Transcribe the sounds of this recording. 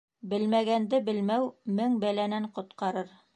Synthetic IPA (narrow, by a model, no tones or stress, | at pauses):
bɘlmæɡænd̪ɘbɘ̆lmæwmɘŋbælænæɴqŏt̪qɑɾɤɾ